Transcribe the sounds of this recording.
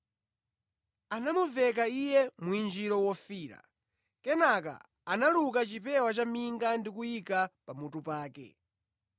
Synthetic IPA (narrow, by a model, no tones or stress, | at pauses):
anamuvɛk̬aijɛmuind͡ʒiɾɔwɔfiːɾa̰ | kɛnak̬a̰ː | naluk̬at͡ʃipɛwat͡ʃamiŋɡandikuikapamutupaːkɛ̰